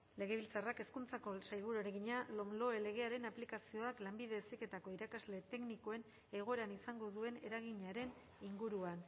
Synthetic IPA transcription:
le̞ɣ̞e̞β̞ilt͡sarake̞skunt͡sako̞sajɣuɾoeɾeɣiɲalo̞mlo̞ele̞ɣ̞e̞aɾe̞naplikasio̞aklambiðe̞sike̞t̪ako̞iɾakazle̞t̪e̞kniko̞e̞n | e̞ɣ̞o̞e̞ɾanisaŋɡo̞ðue̞ne̞ɾaɣ̞iɲaɾe̞n | iŋɡuɾuan

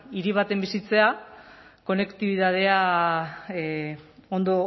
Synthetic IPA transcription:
iɾiβ̞at̪e̞mbisit͡se̞a | ko̞ne̞kt̪iβ̞iðað̞e̞a | o̞nd̪o̞

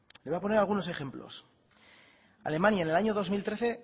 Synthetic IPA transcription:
lejapo̞neɾalɣ̞uno̞se̞xe̞mplo̞̰s | a̰le̞mãnjaene̞laɲo̞ðo̞zmilt̪ɾe̞θe̞

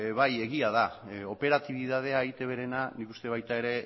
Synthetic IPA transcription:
βaje̞ɣ̞iaðao̞pe̞ɾat̪iβ̞iðað̞e̞aeɣit̪e̞βe̞ɾe̞nanikust̪e̞β̞ajt̪ae̞ɾe̞

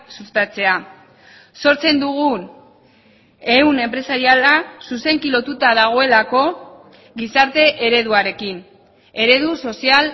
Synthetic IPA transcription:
sust̪at͡se̞a | so̞ɾt͡se̞nd̪uɣ̞u | e̞une̞mpɾe̞saɾialasuse̞ŋkilo̞t̪ut̪aðaɣ̞o̞e̞lako̞ | ɣisaɾt̪e̞ʔeɾe̞ð̞uaɾe̞kin | e̞ɾe̞ðuso̞sial

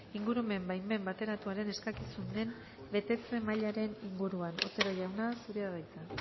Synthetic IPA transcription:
iŋɡuɾume̞mbajme̞mbat̪e̞ɾat̪uaɾe̞ne̞skakisund̪e̞m | be̞t̪e̞t͡se̞maʎaɾe̞niŋɡuɾuanot̪e̞ɾoʝawnasuɾeaðajt̪a

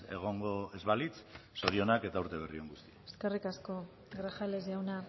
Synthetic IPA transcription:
e̞̰ɣ̞o̞ŋɡo̞e̞zβalit͡sso̞ɾio̞nake̞t̪auɾt̪e̞β̞erio̞ŋɡust̪i̥ae̥ske̞rikasko̞ | ɡɾaxalezawna

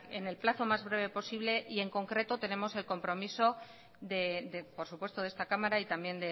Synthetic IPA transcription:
e̞ne̞lplaθo̞mazβ̞ɾe̞β̞e̞po̞siβle̞ʔie̞ŋko̞ŋkɾe̞t̪o̞t̪e̞nẽ̞mo̞se̞lko̞mpɾo̞miso̞ | ðed̪epo̞ɾsupwet̪o̞ðe̞st̪akamaɾait̪ambje̞nd̪e

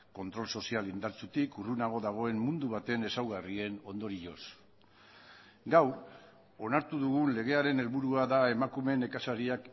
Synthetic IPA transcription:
ko̞nt̪ɾo̞lso̞sialind̪aɾt͡sut̪ikurunaɣo̞ðaɣ̞o̞e̞mːund̪uβ̞at̪e̞ne̞sawɣarie̞no̞nd̪o̞ɾiʎo̞s | ɡaw | o̞naɾt̪uðuɣ̞unle̞ɣ̞e̞aɾe̞ne̞lβuɾuaðae̞makume̞ne̞kasaɾiak

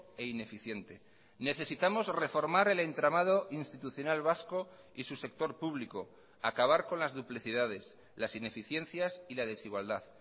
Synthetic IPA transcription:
e̞ine̞fiθje̞nt̪e̞ | ne̞θe̞sit̪amo̞zre̞fo̞ɾmaɾe̞le̞nt̪ɾamað̞o̞ʔinst̪it̪uθjo̞nalβasko̞ | isuse̞k̚t̪o̞ɾpuβ̞liko̞ | akaβ̞aɾko̞nlazðupliθið̞að̞e̞s | lasine̞fiθje̞n̟θjasilað̞e̞siɣwald̪að

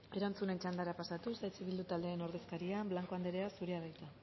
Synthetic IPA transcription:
e̞ɾant͡sune̞nt͡ʃand̪aɾapasat̪usajt͡siβild̪ut̪ald̪eːno̞ɾðe̞skaɾiamblaŋko̞and̪eɾeasuɾeaβajt̪a

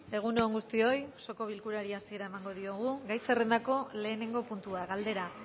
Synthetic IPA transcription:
e̞ɣ̞unooŋɡust̪io̞jso̞ko̞β̞ilkuɾaɾiasie̞ɾae̞maŋɡo̞ð̞ioɣ̞uɡajse̞re̞nd̪ako̞le̞ːne̞ŋɡo̞punt̪uaɣald̪e̞ɾa

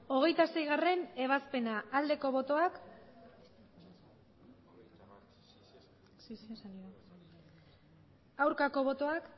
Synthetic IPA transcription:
o̞ɣ̞e̞jt̪ase̞jɣ̞are̞ne̞β̞aspe̞naːld̪e̞ko̞β̞o̞t̪o̞ak | sssaniɾa | awɾkako̞β̞o̞t̪o̞ak

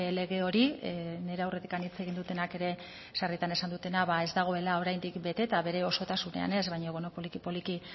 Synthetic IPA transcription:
le̞ɣe̞o̞ɾine̞ɾeawre̞t̪i̥kanit͡se̞ɣ̞ind̪ut̪e̞nake̞ɾe̞ | sarit̪ane̞sand̪ut̪e̞naβae̞zd̪aɣ̞o̞e̞lao̞ɾajnd̪ikbe̞t̪e̞t̪aβe̞ɾe̞o̞so̞t̪asune̞̰a̰ne̞zβajɲoβono̞polikipo̞liki

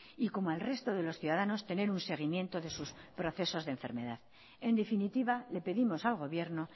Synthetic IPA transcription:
iko̞moelre̞st̪o̞ðe̞lo̞sθjuðaðano̞st̪e̞ne̞ɾunse̞ɣ̞imje̞nt̪o̞ðe̞suspɾo̞θe̞so̞zðe̞ɱfe̞̰ɾme̞ðað | e̞nd̪e̞finit̪iβale̞pe̞ðimo̞salɣo̞βje̞ɾno̞

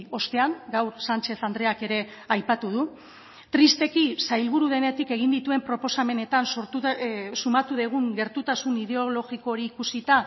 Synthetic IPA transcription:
o̞st̪e̞aŋɡawɾsant͡ʃe̞θand̪ɾe̞ake̞ɾe̞ | ajpat̪uð̞u | t̪ɾist̪e̞kisajlβ̞uɾuð̞e̞ne̞t̪ike̞ɣ̞ind̪it̪ue̞mpɾo̞po̞same̞ne̞t̪ansoɾt̪usumat̪uðeɣ̞uŋɡe̞ɾt̪ut̪asunið̞e̞olo̞ɣiko̞ɾiːkusit̪a

